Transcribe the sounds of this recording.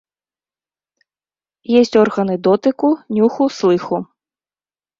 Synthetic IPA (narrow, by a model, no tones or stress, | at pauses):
jɛsʲtʲɔrɣɐnɪd̪ɔt̪ɪkʊnʲuxʊslˠɪxʊ